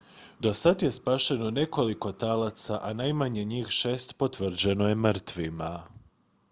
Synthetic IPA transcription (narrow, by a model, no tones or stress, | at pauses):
d̪o̞sad̪je̞spaːʃe̞no̞ne̞ko̞liko̞t̪alat̪saʔanajmaɲe̞ɲiːxʃe̞ːst̪po̞t̪ʋr̩d͡ʑe̞no̞je̞mr̩t̪ʋima